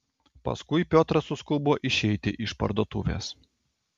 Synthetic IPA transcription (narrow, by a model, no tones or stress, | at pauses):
pɐ̰skʊɪpʲoːt̪ɾɐsʊskʊboːʔɪʃʲɛɪt̪ʲɪʔɪʃpɐ̰ɾd̪oːt̪ʊːʋʲḛːs